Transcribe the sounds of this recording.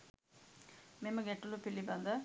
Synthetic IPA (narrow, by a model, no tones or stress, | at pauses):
meməɡɛʈːulupilːibɐnd̪ə